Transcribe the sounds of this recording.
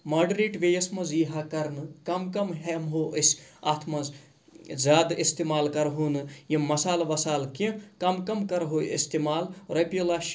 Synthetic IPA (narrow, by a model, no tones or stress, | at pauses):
mɐɖɾiːʈʋejɐsmɐziːɦakɐɾnɨkɐmkɐmɦemɦoːʔəsʲat̪ʰmɐz | zʲjaːd̪ist̪eːmaːlkɐɾɦuːnɨjimɐsaːlʋɐsaːlkĩkɐmkɐmkɐɾɦoːḭst̪eːmaːlɾɐpjilaːʃ